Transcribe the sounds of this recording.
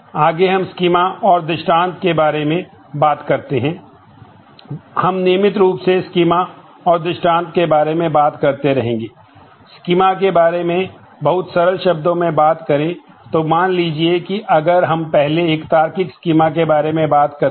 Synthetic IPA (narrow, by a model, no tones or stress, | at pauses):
aːɡeɦɐmskiːmaɔːɾd̪ɪʃʈãːnt̪kebaːɾemẽ | baːt̪kɐɾt̪eɦɛ̃ː | hɐmniːmɪt̪ɾuːpseskiːma | ɔːɾd̪ɪʃʈãːnt̪kebaːɾemẽbaːt̪kɐɾt̪eɾɐɦẽːŋɡeː | skiːmak̬ebaːɾemẽ | bɐɦʊt̪sɐɾəɾʃɐb̚d̪õmẽbaːt̪kɐɾẽ | t̪omaːnliːd͡ʒiekiʔɐɡəɾɦɐmpɛɦleeːkt̪aːɾkɪkskiːmak̬ebaːɾemẽbaːt̪kɐɾ